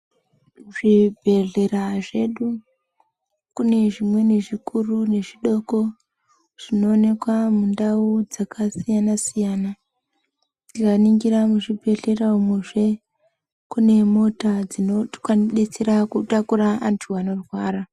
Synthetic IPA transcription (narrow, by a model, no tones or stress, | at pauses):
ʐibʱe̞ɮe̞raʐe̞ɗu | kune̞ʐimwe̞ne̞ʐikʰurune̞ʐiɗo̞ko̞ | ʐ̥ino̞ːne̞kwamundaud͡zakasijanasijaːna | ikaniŋɡiɾamuʐibʱe̞ɮe̞raumeʐe̞ | kune̞mo̞tad͡zinokwaɗe̞t͡se̞ɾakutakuɾaantʰuano̞rwaːɾa